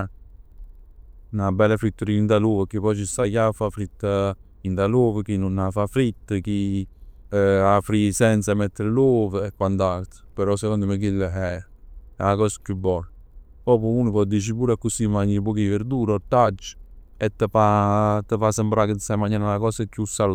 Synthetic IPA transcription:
nabːɛlafɾit̪ːəɾind̪aloːvəkipɔt͡ʃisakafafɾit̪ːə | int̪aloːvək̟inunːafafɾit̪ːəki | afɾisɛnt̪samɛt̪ːəɾlovəɛkːwand̪alt̪ə̥pəɾɔsekɔnd̪əmək̬ilːəɦɛɾɛakɔːsə̥kjubːɔl | pɔpuuːnəpɔd̪ːit͡ʃipuːɾakːusimaɲːip̬ɔk̬iveɾd̪uːɾɔt̪ːad͡ʒːə̥ | ɛt̪ːəfat̪ːəfasembɾakət̪samaɲːaːnalakɔːsəkjusal

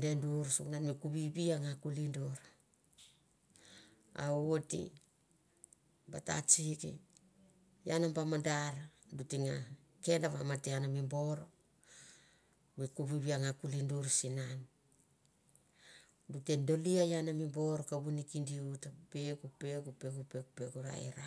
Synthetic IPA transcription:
denduɾsuknanmikuβiβiaŋakulindoɾa | a̰otḭ | bata̰t͡ʃikḭ | janambamandaɾadutiŋa | ke̞ndaβamateanamimbo̞ɾo | mikuβiβiaŋakulinduɾsinan | dutendo̞liajanamimbo̞ɾokaβunikindiutapeɡupe̞ɡupeɡupeɡupeɡuɾa̰ḛɾa

